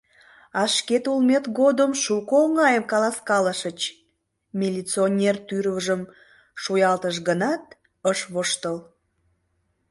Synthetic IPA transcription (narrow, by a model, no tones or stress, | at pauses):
ɑʃket̪ulmet̪ɡod̪əmʃukolŋɑjəmkɑlɑskɑləʃət͡ɕ | mʲilʲit͡sionʲert̪yɾβəʒəm | ʃujɑlt̪əʃɣənɑt̪̚ | əʃβoʃt̪əl